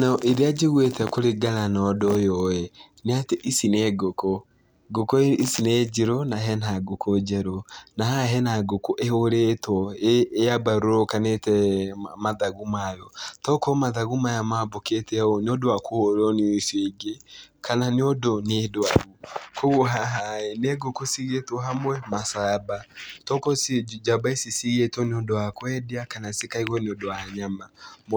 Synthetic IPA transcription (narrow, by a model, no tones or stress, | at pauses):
nʔeɾead͡ʒeɣwetɛkoɾeɡananɔdɔjɔɛ | neateʔisinɛɡokɔ | ɡokɔisinɛd͡ʒeɾonaɦɛnaɡokod͡ʒɛɾonaɦaɦɛnaɡokoʔehoɾetwɔejabaɾoɾɔkanetɛmaðaɣumajɔtɔkɔmaðaɣumajamaboketɛɔneodowakohoɾɔneiseɡekʰananeodonedoaɣokoɣoɦaɦaɛneɡokosiɣetɔɦamwɛmasabatɔkɔsd͡ʒabaesisiɣetɔneodowakwɛdeakanasekaiɣɔneodoaɲama